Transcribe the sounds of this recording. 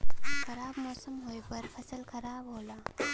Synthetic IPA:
kʰɐɾaːbmɔːsəmɦojpɐɾpʰəsəlkʰəɾaːbɦoːla

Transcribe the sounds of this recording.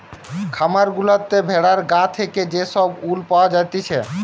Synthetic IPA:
kʰamaɾɡulat̪ːebʱeɽaɾɡat̪ʰeked͡ʑeʃɔbulpawad͡ʑajt̪et͡ɕʰe

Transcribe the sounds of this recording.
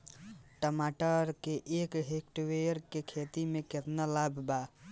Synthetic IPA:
ʈəmaʈəɾkeʔeːkɦekʈweɾkekʰet̪imẽkɪt̪nalabʱba

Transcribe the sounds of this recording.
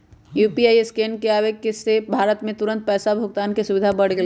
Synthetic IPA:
juːpiaːieskeːnkeaːʋeɡ̚kesːebʱaːɾət̪mẽt̪ʊɾə̃nt̪̚pɛːsabʱʊk̚t̪aːnkisʊʋɪd̪ʱabɐɽ̤ɡl

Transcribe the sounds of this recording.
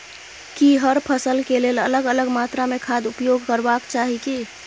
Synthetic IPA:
kiɦəɾpʰəsəlkelelə̰ləɡələɡmat̪ɾamekʰad̪upjoɡkəɾbakt͡ʃaɦiki

